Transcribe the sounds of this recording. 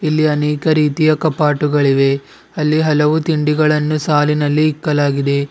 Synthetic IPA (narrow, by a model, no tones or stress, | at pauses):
ilːiɐnɛːkɐɾiːt̪ijɐkɐpaːʈuɡɐɭiʋe̞ | ɐlːiɦɐlɐʋut̪iɳɖiɡɐɭɐnːusaːlinɐlːiːkːɐlaːɡid̪e̞